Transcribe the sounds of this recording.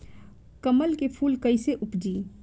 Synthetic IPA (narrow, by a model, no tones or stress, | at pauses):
kəməlkepʰulkəjseʔupd͡ʒi